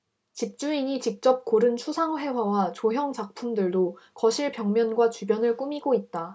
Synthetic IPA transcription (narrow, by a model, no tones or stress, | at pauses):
t͡ɕik̚t͡ɕ͈uiɲit͡ɕik̚t͡ɕ͈ʌp̚k͈oɾɯnt͡ɕʰusʰaŋɸe̞wawat͡ɕoɦjʌŋt͡ɕak̚pʰumdɯɭdokʌɕʰiɭpjʌŋmjʌnɡwat͡ɕubjʌnɯɭk͈umiɡoit̚t͈a